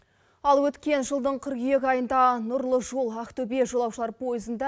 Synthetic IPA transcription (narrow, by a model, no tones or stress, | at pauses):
ɑlˠwɵt̪kʲe̞nʒəlˠd̪əɴqʰɪɾkjekʲɑjənd̪ɑnʊɾlˠəʒo̞lˠakt̪obijeʒo̞lˠɑwʃəlˠɑɾpʰo̞jəzənd̪ɑ